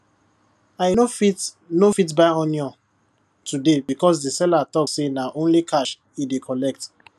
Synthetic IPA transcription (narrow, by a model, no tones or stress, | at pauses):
ajnofit | nofit̬baɪɔ̃njɔ̃ | tudebikɔs̬disɛlatɔksenaʔõnlikʰaʃ | idekʰɔlɛk̚t